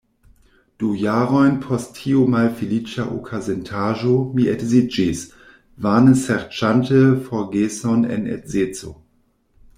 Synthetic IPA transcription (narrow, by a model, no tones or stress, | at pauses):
d̥ujaːʁɔʏnpʰɔstʰiːomalfilit͡ʃaʔo̰kʰazɛntʰaːʒomiɛtzid͡ʒis | vaːnəsɛʁt͡ʃantʰəfɔɡeːsɔnɛ̰nɛ̰tzeːt͡so̰